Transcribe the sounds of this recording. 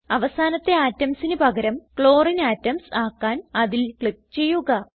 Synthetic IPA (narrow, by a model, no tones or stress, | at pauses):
ɐʋɐsaːnɐt̪ːe̞aːtːɐmsinɨpɐɡɐɾɐmkɭo̞ːrinaːtːɐmsaːkːaːnɐðilkɭik̚t͡ɕe̞jːuɣɐ